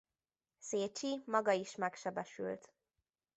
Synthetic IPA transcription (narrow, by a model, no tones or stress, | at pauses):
seːt͡ʃimɒɡɒiʃmɛkʃɛbɛʃy̰lt̪